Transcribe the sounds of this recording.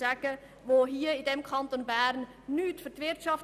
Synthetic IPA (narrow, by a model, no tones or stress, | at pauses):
æɡ̥ə | ʋoːɦiːəɪdɛmkʰχɑntonbæːɾnː | yːtfʏɾtvɪɾtʃɑf